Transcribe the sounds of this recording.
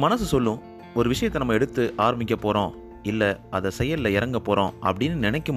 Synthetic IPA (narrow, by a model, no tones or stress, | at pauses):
mɐnɐsɯsɔlːʊ̃ | ɔɾɯʋɪʂɐjɐt̪ːɛnɐmːɐɛɽɯt̪ːɯʔaːɾɐmbɪk̬ʲːɐpːoːɾõː | ɪlːɐɐðɐsɛjɐlɪlɐɪɾɐŋɡɐpːoːɾõ̰ːʔɐpːɐɽɪnːɯnɪnɛkːɯm